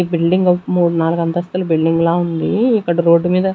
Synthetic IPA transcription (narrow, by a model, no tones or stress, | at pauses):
bilɖiŋɡmuːɽunaːluɡɐnt̪ɐst̪ulɐbilɖiŋɡlaːund̪iːkːɐɽɐɾo̞ːɖːumiːd̪ɐ